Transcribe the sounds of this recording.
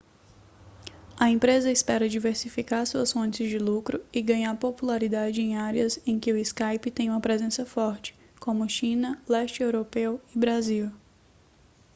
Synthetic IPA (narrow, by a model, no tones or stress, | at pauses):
ɐẽmpɾezɐɪspɛɾɐd͡ʒiveɾsifikaɾsuɐsfõnt͡ʃɪzd͡ʒɪlukɾʊɪɡɐ̃ɲaɾpopulaɾid̪ad͡ʒɪẽj̃aɾiɐzẽj̃kɪʊiskajpɪt̪ẽj̃ũmɐpɾezẽsɐfɔɾt͡ʃɪ̥ | kõmʊʃĩnɐlɛst͡ʃɪewɾopewɪbɾaziw